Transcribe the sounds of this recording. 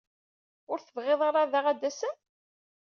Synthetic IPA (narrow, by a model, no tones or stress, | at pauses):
ʊɾθəvʁeðˤɑɾˤɑðaʁæd̪ːæsən